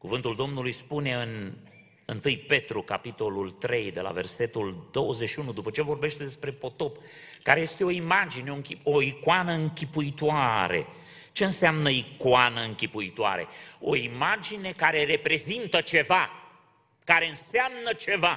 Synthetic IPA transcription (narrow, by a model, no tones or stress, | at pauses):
kuvɨnt̪uld̪o̞mnulujspune̞ɨn | ɨnt̪ɨjpe̞t̪ɾukapit̪o̞lult̪ɾe̞jd̪e̞̰la̰ve̞rse̞t̪uld̪o̞wəzeʃiunud̪upət͡ʃevo̞rbe̞ʃt̪e̞d̪e̞spɾe̞po̞t̪o̞pkaɾe̞je̞st̪eo̞imad͡ʒineoŋkʲioikoanəɨŋkʲipuit̪oaɾe̞̰ | t͡ʃe̞ɨnseamnəikoanəɨŋkʲipuit̪oa̰ɾe̞̰o̞̰imad͡ʒine̞kaɾe̞re̞pɾe̞zint̪ət͡ʃe̞va | kaɾe̞ɨnseamnət͡ʃe̞va